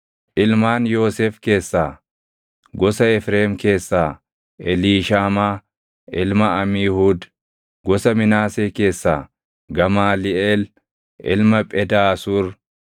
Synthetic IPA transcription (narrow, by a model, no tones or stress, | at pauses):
ʔɪlmaːnjo̞ːseːfke̞ːsːaː | ɡɔsɐɛfɾeːmke̞ːsːaː | ʔɛliːʃaːmaː | ɪlmɐɐmiːhuːd̪ | ɡɔsɐmɪnaːseːke̞ːsːaː | ɡɐmaːlɪeːl | ʔɪ̰lmɐpʼɛd̪aːsuːɾ